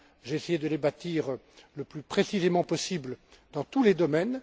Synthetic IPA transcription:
ʒeːsejed̪əlebat̪iʁ | ləplypχesizemɑ̃pɔsibləd̪ɑ̃t̪uled̪ɔmɛn

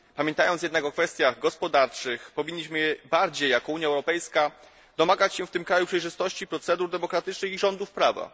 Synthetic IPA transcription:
pamʲjɛnt̪ajɔnsjɛd̪nakɔkfɛst̪jaɣɡɔspɔd̪aɾt͡ʂɘxpɔvʲiɲːiɕmɘjɛbaɾd͡ʑejːakɔuɲjaɛwɾɔpɛjska | d̪ɔmaɡat͡ɕɕɛft̪ɘmkɾajupʂɛjʐɘst̪ɔɕt͡ɕipɾɔt̪sɛd̪uɾd̪ɛmɔkɾat̪ɘt͡ʂnɘxiʐɔnd̪ufpɾava̰

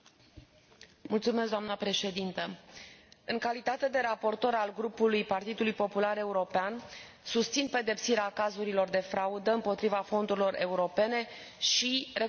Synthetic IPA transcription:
mult̪sumesk̚d̪oamnəpɾe̞ʃe̞d̪int̪ə | ɨŋkalit̪at̪e̞d̪e̞ɾapo̞rt̪o̞ɾalɡɾupulujpart̪id̪ulujpo̞pulaɾe̞uɾo̞pean | sust̪sinpe̞d̪e̞psiɾeakazuɾilo̞rd̪e̞fɾaud̪əɨmpo̞t̪ɾivafo̞nd̪uɾilo̞ɾe̞uɾo̞pe̞ne̞ | ʃire̞

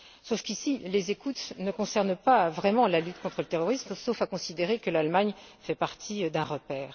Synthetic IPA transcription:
sofkʲisilezekut̪nəkɔ̃sɛʁnpavʁɛmɑ̃lalyt̪kɔ̃t̪χələt̪eʁɔʁismsofakɔ̃sid̪eʁekəlalmaɲfɛpaʁt̪ʰid̪ɛ̃ʁəpɛːʁ

